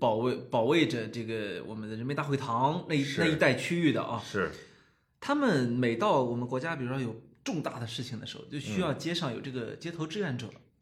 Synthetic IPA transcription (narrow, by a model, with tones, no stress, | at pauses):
pɑ˨˩ʊwe˥˩ɪpɑ˨˩ʊwe˥˩ɪʈ͡ʂə˩ʈ͡ʂɤ˥˩ɡə˩wɔ̰˨˩mə˦nd̪ə˧ɻə˧˥nme˧˥ɪt̪a˥˩xwɪt̪ʰɑ˧˥ŋna˥˩˧na˥˧˩i˧˥t̪a˥˩ɪt͡ɕʰy˥y˥˩d̪ə̰˩ʔɐ̰˧ʂɻ̩˥˩ | t̪ʰa˥mə˨nme˨˩ɪt̪ɑ˥˩ʊwɔ˨˩mə˦nkwɔ˧˥t͡ɕja˥pi˨˩ɻu˥ʂo˥˩jo˨˩ʊʈ͡ʂʊ˥˧ŋt̪a˥˩d̪ə˩ʂɻ̩˥˩t͡ɕʰi˩ŋd̪ə̰˩ʂɻ̩˧˥xo̰˧ʊt͡ɕjo˥˩ʊɕy˥jɑ˥˩˧ʊt͡ɕjɛ˥ʂɑ˥˩ŋjo˨˩ʊʈ͡ʂɤ˥˩ɡə̰˩t͡ɕjɛ˥t̪ʰo˧˥ʈ͡ʂɻ̩˥ɥɛ˧˥nʈ͡ʂɤ̰˨˩